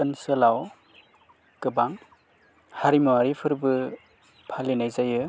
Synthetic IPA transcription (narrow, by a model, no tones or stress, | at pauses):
ɯnsɯlaw | kɯbaŋ | haɾimuwaɾipʰɯɾbɯ | pʰalinajzajɯ